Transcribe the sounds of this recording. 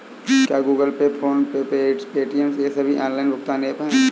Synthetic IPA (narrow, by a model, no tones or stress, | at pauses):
kjaːɡuːɡəlpepʰoːnpepeʈspeːʈijənsjesɐbʱiʔãːnlaːɪnbʊkt̪aːnepɦɛ̃